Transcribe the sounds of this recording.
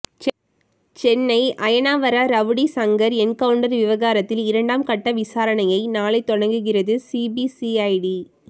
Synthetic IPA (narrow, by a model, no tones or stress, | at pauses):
t͡ʃɛnːɐɪʔɐjɐnaːʋɐɾaɾɐʋɯɽisɐŋɡɐɾɛnkɐʋʊɳɖɐɾʋɪʋɐɣaːɾɐt̪ːɪlɪɾɐɳɖaːmkɐʈːɐʋɪsaːɾɐɳɐjɐɪnaːlɐɪt̪ːɔɽɐŋɡɯɣɪrɐðɯsibisiɐɪɖi